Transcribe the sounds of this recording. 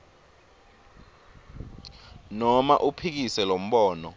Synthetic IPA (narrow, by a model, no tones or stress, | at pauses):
nɔma̰ʔupʰik̬isɛlom̩ɓɔːnɔ